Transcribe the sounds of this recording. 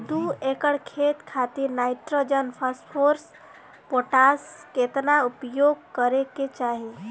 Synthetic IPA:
d̪uekəɽkʰet̪kʰat̪iɾnaɪʈɾod͡ʒənpʰaspʰoɾs | poʈasket̪naupjoɡ̚kəɾeket͡ʃaɦi

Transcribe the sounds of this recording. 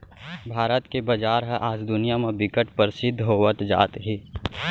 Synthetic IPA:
bʱaːɾət̪kebɐd͡ʒaːɾɦɛ̃ʔaːd͡ʒd̪ʊnijamẽbɪkəʈpəɾsɪd̪ʱːɦoːʋət̪d͡ʒa̰ːt̪ɦi

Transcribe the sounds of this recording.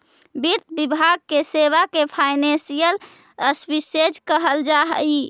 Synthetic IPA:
biɾt̪ʰbibʱaɡ̚keseβakepʰaɪnẽsijəl | əswised͡ʒkəɦəld͡ʒaɦə̰i

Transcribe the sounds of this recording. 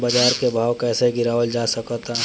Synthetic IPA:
bad͡ʒaːɾkebʱaːwkɛːseɡɪɾaːʋəld͡ʒasəkt̪aɦ

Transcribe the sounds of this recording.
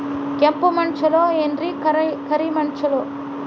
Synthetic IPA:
kempumɐɳt͡ʃɐloendɾikɐkɐɾimɐɳt͡ʃɐloː

